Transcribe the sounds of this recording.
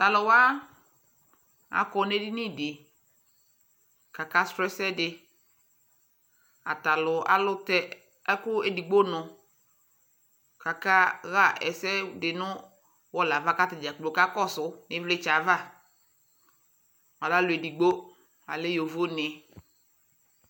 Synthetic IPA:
ta˨lʊ˨wa˦ | a̰˨kɔ˨n˦e˦dɪ˦nɪ˦˨dɪ˨ | ka˨ka˦stɾɛ˦sɛ˦dɪ˨ | a̰˨ta˨lʊ˨ʔa̰˦lʊ˦tɛ˦ | kʊ˦e˨di˨ɡ͡bo˦nʊ˨ | ka˨ka˦ɣa˦ɛ˨sɛ˦dɪ˨nʊ̃˦ | wɔ˦la˨va˦ka˦tɪ˨d͡ʒa˨k͡plo˨ka˦kɔ˦sʊ˨˦nɪ̃˦vle˦t͡ʃa˨va˦ | a˨la˦lʊ˨e˨di˨ɡ͡bo˦ | a˨lɪ˦jo˨vo˦nɪ˨

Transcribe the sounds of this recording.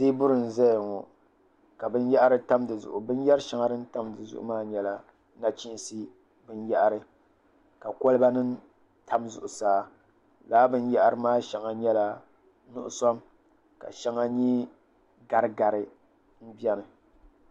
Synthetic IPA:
zeː˦bʊ˦ɾɨ˨n̩˨zɛ˦jŋɔ˨ | ka˨bɨ˦njɛ˦ʔa˦ɾɨ˦ta˦mdɨ˨zʊ̰˨ʔʊ˨bɨ˦n˦jɛ˦ɾɨ˦ʃa˦ŋa˦dɨ˦n̩˦ta˦mdɨ˨zʊ̰˦˨ʔʊ̰˦maː˦ɲɛ˦la˨ | na˦t͡ʃi˦n˦si˦ | bɨ˦njɛ˦ʔa˨ɾɨ˨ | ka˨ko˦lɨ˦ba˦nɨ˦n | tʰa˦mzʊ̰˨ʔʊ˨saː˨˦ | laː˦bɨ˦n˦jɛa˦ʔa˨ɾɨ˨maː˦ʃɛ˨ŋa˨ɲɛ˦la˦ | nʊ̰˦ʔʊ̰˨sɔ˦m | ka̰˨ʃɛ˦ŋa˦ɲi˦ | ɡa˨ɾɨ˦ɡa˨ɾɨ˨ | n̩˦bi˦ɛ˦nɨ˨

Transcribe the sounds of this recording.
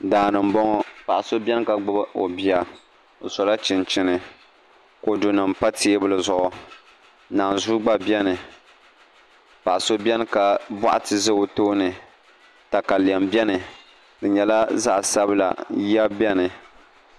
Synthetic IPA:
daː˨nɨ˨m˦bɔ˦ŋɔ˦pa˨ʔa˨so˦bʲɛ˦n˦ka˨ɡ͡bɨ˦bo˨bi˦a˨ | o˨sɔ˨la˦t͡ʃɪ˨nt͡ʃɪ˦nɨ˨ | ko˨du˨nɨ˨mpa˦tʰeː˦bɨ˦lɨ˨zʊ˨ʔʊ˨ | naː˨n˨zu˦ɡ͡ba˦bjɛ˦nɨ˨ | pa˨ʔa˨so˦bʲɛ˦n˦ka˨ba̰˦ʔa˦tɨ˨zɨ˦o˦toː˦nɨ˨ | ta˨ka˨li˨ɛ˨mbɛ˦nɨ˨ | dɨ˨ɲɛ˨la˦za˦ʔsa˦bɨ˦la̰˨jɛ˦bɛ˦nɨ˨

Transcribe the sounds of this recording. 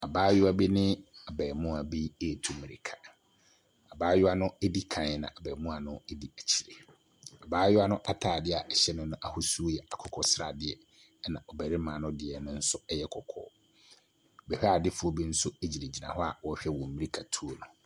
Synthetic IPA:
a˨baː˦jʊ˦a˦bi˦nɪ̃˦a˨bɛː˨mʊ̃˦a˨bi˦e˦˨tʰu˨mĩ˨ɾi˨kʰa˨ | a˨baː˦jʊ˦a˦nʊ̃˦e˦di˦kʰã˨nɛ˨˦nã̰˨ʔa˨bɛː˨mʊ̃˦a˨nʊ̃˦e˦di˦æ˨t͡ɕʰi̥˨ɾe˨ | a˨baː˦jʊ˦a˦nʊ̃˦ʔa˦tʰaː˨dɪ˦a˨ʔɛ˨ɕɛ˦nʊ̃˦nʊ̃˦ʔa˨hʊ˦su˦o˦jɛ˨a˨kʰɔ˨kʰɔ˦sɾa˨dɪ˨˦ɛ˦ | nã˨ʔɔ˨bɛ˨ɾɪ˦mãː˨˦nʊ̃˦dɪ˨ɛ˨nʊ̃˦n̩˦sʊ˦ɛ˦jɛ˦kʰɔ˨kʰɔ̰ː˦˨ | bɛ˨hᶣa˦˨dɪ˦fʊ˨˦o˦bi˦n̩˦sʊ˦e˦d͡ʑi˨ɾe˨d͡ʑi˨nã̰˨ɦɔ˦a˨wɔ˦ɕᶣɛ˦wɔ̃˨m̩˨˦mĩ˦ɾi˦kʰa˨tʰu˦o˦nʊ̃˨

